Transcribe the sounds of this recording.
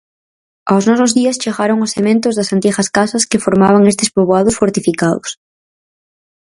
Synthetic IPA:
awznɔs̬ozðiast͡ʃeɣaɾoŋʊsemẽnt̪ʊzðasant̪ixɐskasaskefoɾmaβaŋest̪espoβoað̞ʊsfoɾt̪ifikaðʊ̰s

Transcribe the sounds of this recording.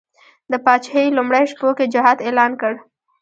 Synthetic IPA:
d̪əpɑt͡ʃhelumɽajʂpoked͡ʒaɦɑd̪elɑnkəɽ

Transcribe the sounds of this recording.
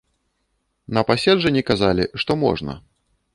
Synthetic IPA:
nɐpasʲɛdʐɐnʲikazalʲiʂt̪ɔmɔ̰ʐnɐ̰

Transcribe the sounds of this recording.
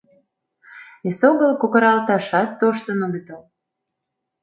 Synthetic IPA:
esoɣəlkokə̆ɾɑlt̪ɑʃɑt̪ːoʃt̪ə̆noɡət̪ɑl

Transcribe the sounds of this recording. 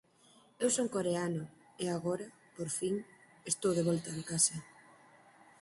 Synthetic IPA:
ewsoŋkoɾeanʊ | eaɣoɾɐ | poɾfiŋ | est̪owðeβ̞ɔlt̪ɐðekasɐ

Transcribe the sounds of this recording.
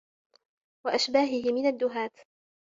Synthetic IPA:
waʔaʃbaːɦɪhɪmɪnad̪ːʊɦaːt̪

